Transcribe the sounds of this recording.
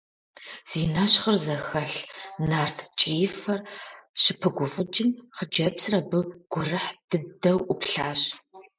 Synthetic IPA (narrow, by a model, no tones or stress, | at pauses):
z̥inaɕχərzɐxɐɬnaːrtʰt͡ʃʼijɪfɐrɕɪpʰɨɡʷʊfɐd͡ʒʼɪmχəd͡ʒɐbsrɐbɨɡ̥ʷʊrɨħd̥ɨdɐwʔʷʊpɬaːɕ